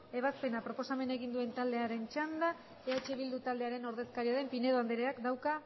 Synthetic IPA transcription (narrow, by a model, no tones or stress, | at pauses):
e̞βaspe̞napɾo̞po̞same̞ne̞ɣind̪ue̞nt̪ald̪e̞aɾe̞nt͡ʃand̪a | eat͡ʃeβild̪ut̪ald̪e̞aɾe̞no̞ɾðe̞skaɾiaðe̞mpine̞ðoand̪eɾeakd̪awka